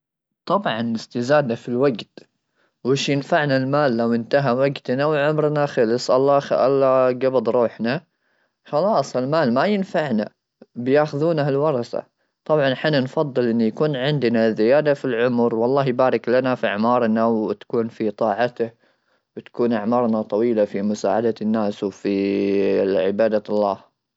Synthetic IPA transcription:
t̪ˤɑbʕɑnɪst̪ɪzaːd̪nafilwaɡt̪ | wɪʃjɪnfaʕnalmaːlːawɪnt̪aɦawaɡt̪nawʕʊmɾnaxɑlɪsˤʔɑlˤːɑxʔɑlːɑɡɑbɑd̪ˤɾˤuːħna | xɑlɑːsˤɪlmaːlmajɪnfaʕna̰ | bɪjaːxʊðuːnahalwɑɾˤɑsa̰ | t̪ˤɑbʕɑnħɪnːanfɑðˤːɨlʔɪnːijakuːnʕɪnd̪nazɪjaːd̪afilʕʊmɾwɑlˤːɑːɦjbaːɾɪklanafia̰ʕmɑːɾˤnawɪt̪ḁkuːnfit̪ˤɑːʕat̪ah | wɪt̪ḁkuːnʔaʕmɑːɾˤnat̪ˤɑwiːlafimʊsa̰ːʕad̪anːaːswfi | ʕɪbaːd̪alˤːɑːh

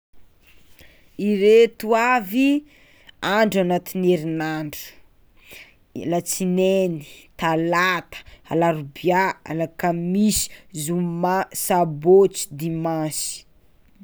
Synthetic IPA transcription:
iɾet̪uavi | aɳɖ͡ʐanat̪ineɾinaɳɖ͡ʐu̥ | lat͡sineni̥t̪alat̪ə̥a̰laɾubjaa̰lakamisi̥zumasabot͡si̥d̪imãsi̥

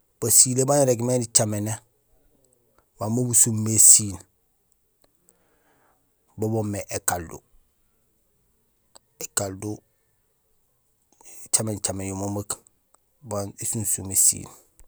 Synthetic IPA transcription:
b̥asilebaniɾeɡmenit͡ʃamene | bamobusumːesiːn | bobomːeʔekaldṵ | ekaldu | t͡ʃament͡ʃamenjomomak | banisunsumesḭːn

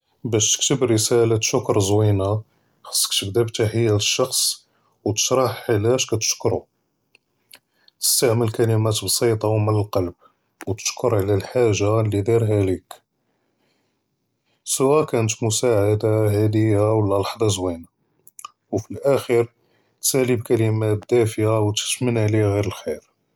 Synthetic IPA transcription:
bæʃt̪ə̥kt̪əbɾəsælat̪ʃʊkɾˤzwina | xɑ̥sˤːə̥kt̪əbd̪æbt̪aħəjːaləʃːɑxsˤ | wt̪ə̥ʃɾˤɑħħəlæʃkæt̪ə̥ʃkɾu | t̪ə̥st̪aʕməlkælimæt̪bsˤit̪ˤɑwmənəlqɑlb̚ | wt̪ə̥ʃkʊɾʕlælħaʒːalːid̪ˤiɾɦælik | sʊwækænət̪mʊsaʕad̪aɦæd̪əjːawəlːælɑħd̪ˤɑzwina | wfilʔæxəɾ | t̪sælibkælimæbd̪æfjawt̪ə̥t̪mənʕliɣiɾəlxiɾ

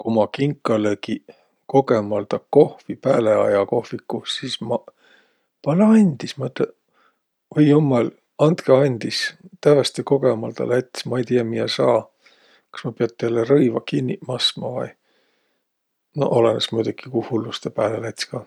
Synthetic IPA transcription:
kumɑkiŋkːˑɑleki | ko̞ɡemɑlt̪ɑko̞hvipæːleɑ̰jɑko̞hvikːusismɑ | pɑlɑnʲd̪̥ismɑyt̪le | ojːumːɑl | ɑnt̪keɑnʲd̪̥ist̪ævest̪eko̞ɡemɑlt̪ɑ̰læt̪ʲsmɑejt̪iɑmiɑsɑː | kɑ̥smɑpeɑt̪ːˑeælːerɤjvɑkinʲːimɑsmɑvɑ̰j | no̰ʔolenesmujd̪uki̥kuhulːust̪epæːlelæt̪ʲskɑː

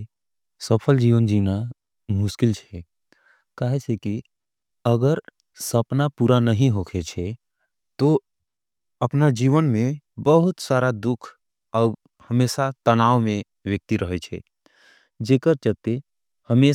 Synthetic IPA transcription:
səpʰəld͡ʒiːʋənd͡ʒiːna | mʊʃkɪlt͡ʃʰɛ | kaɦeseki | əɡəɾ | səpnapuɾanəɦĩɦokʰet͡ʃʰɛ | t̪o | əpnad͡ʒiːʋənmẽbəɦʊt̪saːɾad̪ʊkʰ | ɔːɾ | həmeːsat̪ənaːʋmẽ | ʋjək̚t̪iɾəɦɛt͡ʃʰɛ̰ | d͡ʒeːkəɾt͡ʃət̪e | həme

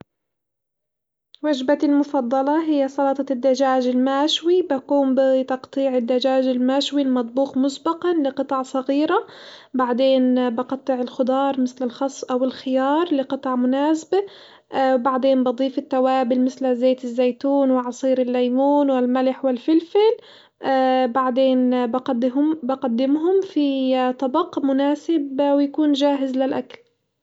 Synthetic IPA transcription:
waʒbalmʊfɑd̪ˤːɑlɑɦɪjːasˤɑlɑt̪ˤɑd̪ːad͡ʒaːd͡ʒɪlmaːʃwibakuːmbɪt̪ɑqt̪ˤiːʕɪd̪ːad͡ʒaːʒɪlmaːʃwilmɑt̪ˤbuːqmʊsbɑqɑnlɪqɨt̪ˤɑʕsˤɑɣiːɾabaʕd̪eːnbɑqɑt̪ˤːɨʕɪlxʊd̪ˤɑːɾˤmɪθlɪlxɑsˤːʔawɪlxɪjɑːɾˤlɪqɨt̪ˤɑʕmʊnaːsba | wbaʕd̪eːnbɑd̪ˤiːfɪt̪ːawaːbɪlmɪθlazeːt̪ɪzːajt̪uːnwɪʕɑsˤiːɾɪlːajmuːnwɪlmalɪħwɪlfɪlfɪlː | baʕd̪eːnbq̪ːmbɑqad̪ːɪmɦʊmfit̪ˤɑbɑqmʊnaːsɪbwɪjakuːnʒaːɦɪzlɪlʔakal

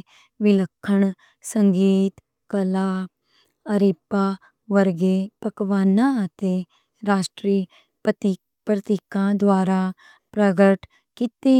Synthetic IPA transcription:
ʋɪləkʰːəɳ | səŋɡiːt̪ | kəlaː | əɾɪpaː | ʋəɾɡeːpəkʋaːnãət̪eː | ɾaːʃʈɾiː | pɾət̪ikãːd̪waːɾaː | pɾəɡəʈ | kɪt̪eː

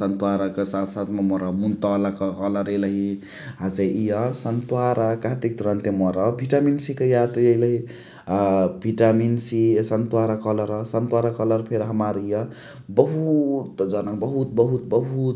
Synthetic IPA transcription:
sənt̪waɾakesat̪ʰsat̪ʰmemɔɾamunt̪ɔlakəkʌlʌɾeləɦi | ɦat͡seʔijʌsənt̪uwaɾakaɦt̪ik̚t̪uɾʌnt̪emɔɾʌbʱiʈaminsikəjat̪jʌiləɦi | bʱiʈaminsisʌnt̪waɾakʌlʌɾʌsʌnt̪waɾakʌlʌɾpʰeɾɦəmaɾijʌ | bəɦut̪d͡ʒʌnakbəɦut̪̚bəɦut̪bəɦu

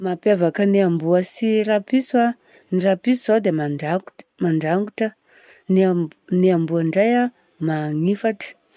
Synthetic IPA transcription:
mapjavakəneambuəsiɾapiswa | nirapisuzad̪emaamaɳɖ͡ʐaŋɡuʈ͡ʂə | nneambuaɳɖ͡ʐaja | maŋifaʈ͡ʂə̥

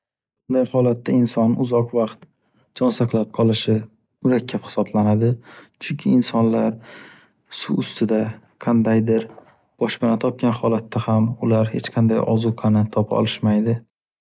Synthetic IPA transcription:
bʊnd̪ajhɒlat̪ːaɪnsɒnʊzɒqvɑqt̪ | d͡ʒɒnsaqlˠap̚qʰɒlˠɪʃɪ | mʊɾakʲʰːaphɪ̥sɒblanad̪ɪt͡ʃʰʊŋkʲʰɪːnsɒnlaɾ | suʊst̪ʰɪd̪a | qʰɑnd̪ajd̪ɪɾ | b̥ɒʃpɪnat̪ʰɒp̚kʲanhɒlat̪ʰːahamʊlaɾhe̞t͡ʃqʰɑnd̪a̰jʔɒ̰zuqʰanat̪ʰɒpʰɒ̰lˠɪʃmajd̪ɪ

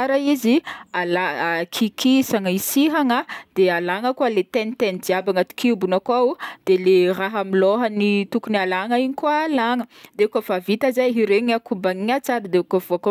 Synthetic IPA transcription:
aɾaizialakʰikisaŋəisiɦaŋəd̪̥ealaŋəkualet̪enit̪enid͡ʒiabaŋat̪i̥kiubunakwaud̪̥eleraɦamiloɦənit̪ukunialaŋaiɲikualaŋəd̪eukavavit̪azajɦiɾeɲakubaŋiɲat͡saɾəd̪eukavoako

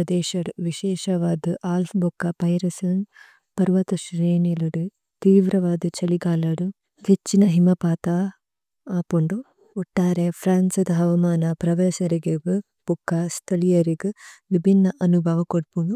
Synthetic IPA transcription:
ɐd̪eːʃɐɽuʋiʃɛːʃɐʋaːd̪uʔaːlpbukːɐpɐjɾɐsɐn | pɐɾʋɐt̪ɐʃɾeːniluɽu | t̪iːʋɾɐʋaːd̪ut͡ʃɐliɡaːlɐɽu | ket͡ʃːinɐɦimɐpaːt̪a | aːpuɳɖuː | ʈːaːɾepʰɾaːnsɐd̪ɐɦɐʋɐmaːnɐpɾɐʋɐsɐɾiɡebɨ | pukːast̪ʰɐlijɐɾiɡɨʋibʱinːɐʔɐnubʱɐʋɐkoɽpuɳu

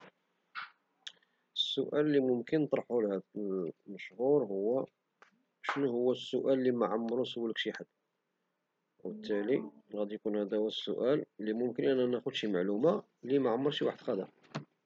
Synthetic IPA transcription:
əsːʊʔælːimʊmkənːət̪ˤɾˤɑħulhæd̪məʃhuɾhʊwːæ | ʃnuhʊwːæsːʊʔælːimæʕamːɾusəwːələkʃiħad̪ | wbət̪ːæliɣæd̪ijkunhæd̪æwæsːʊ̰ʔælːimʊmkənʔænænæxʊd̪ʃimaʕluma | limæʕamːəɾˤʃiwaħəd̪xæd̪æ̰

